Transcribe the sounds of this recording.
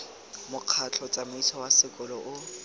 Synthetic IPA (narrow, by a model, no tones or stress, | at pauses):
mʊq͡χʰat͡ɬʰɔt͡sʼamʊitʰɔwasɪkʼʊlɔʔʊ